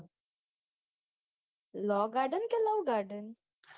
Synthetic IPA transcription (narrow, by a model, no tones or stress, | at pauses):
lɔːɡaːɾɖənkelawɡaːɾɖən